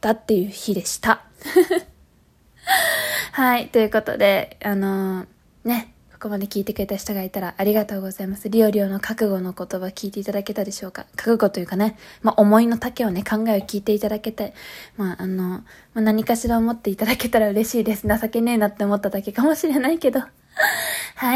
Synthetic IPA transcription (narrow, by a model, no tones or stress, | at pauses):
t̪at̪ːe̞jɯ̟ːçid̪e̞ɕi̥t̪a | hait̪o̞jɯ̟ko̞t̪o̞̰d̪e̞ano̞ | ne̞ | ko̞̥ko̞mad̪e̞kʲiːt̪e̞kɯɾe̞t̪aɕi̥t̪oɡait̪aɾaʔaɾʲiɡat̪o̞ːɡo̞zaimasɨɾʲio̞ɾʲo̞ːno̞kʰakɯ̟ɡo̞no̞ko̞t̪o̞bakʲiːt̪e̞it̪ad̪ake̞t̪ad̪e̞ɕo̞ːka̰kḁkɯ̟ɡo̞t̪o̞jɯ̟kane̞maʔo̞mo̞ino̞t̪ake̞o̞ne̞kʰãŋɡaeokʲiːt̪e̞it̪ad̪ake̞t̪aimaːʔano̞manaɲ̟ikaɕiɾaomo̞t̪ːe̞it̪ad̪ake̞t̪aɾaɯ̟ɾe̞ɕiːd̪e̞sɨnasake̞ne̞ːnat̪ːe̞omo̞t̪ːad̪ake̞kamo̞ɕiɾe̞naike̞d̪o̞ | hai